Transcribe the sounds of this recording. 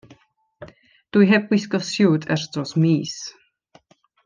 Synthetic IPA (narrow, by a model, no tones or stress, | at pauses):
d̥ujɦɛb̚wɪsɡɔsjuːdɛrd̥rɔsmiːs